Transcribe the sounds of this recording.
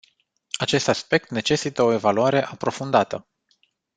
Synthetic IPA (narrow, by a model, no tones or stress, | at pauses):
at͡ʃe̞st̪aspe̞k̚t̪ne̞t͡ʃe̞sit̪əo̞e̞valuaɾe̞ʔapɾo̞fund̪at̪ə